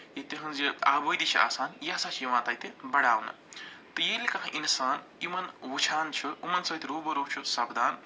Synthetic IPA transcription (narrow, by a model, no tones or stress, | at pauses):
jet̪eɦunziaːbojd̪it͡ʃʰiʔa̰ːsaːnjasat͡ʃʰijiʋãːt̪ajt̪ẽbɐɽaːwnɐ̰ | t̪ɐjelikɐkʰãʔinsaːn | imɐnɦut͡ʃʰaːnt͡ʃʰuumɐnsɐt̪ʰiɾubɐɾowt͡ʃʰusɐbd̪aːn